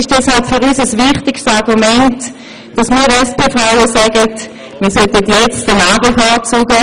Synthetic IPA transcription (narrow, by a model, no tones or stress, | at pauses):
ɪʃd̥ɛshalpfʏʁysəsvɪχtɪkstɑʁɡumɛnt | d̥ɑsmiːɾɛspeːfʁaʊəsɛɡət | miːɐsœtətjɛt͡stənaːbəfɔːt͡suːɡə